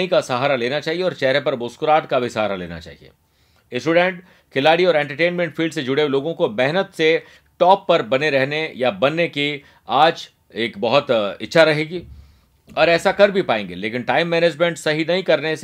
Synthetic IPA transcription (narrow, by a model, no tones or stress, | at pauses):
ĩkasɐɦaːɾaleːnat͡ʃaːɦieɔːɾt͡ʃɛɦɾepɐɾbʊskʊɾaːʈkabʱisɐɦaːɾalḛːna̰t͡ʃa̰ːɦḭḛː | ɪsʈuːɖɛ̃ɳʈ | kʰɪlaːɽiɔːɾɛ̃ːɳʈəɾʈeːnmɛ̃ɳʈfʰiːlɖsed͡ʒʊɽeweloːɡõkobɛɦnət̪se | ʈɔːpːɐɾbɐneɾɛɦnejabɐnːeki | aːd͡ʒ | eːkbɐɦʊt̪ɪtːʃʰaɾɐɦeːɡiː | ɔːɾɛːsakɐɾbʱipaːẽːŋɡḛleːkɪnʈaːɪmːɛːneːd͡ʒmẽɳʈsɐɦinɐɦĩkɐɾnes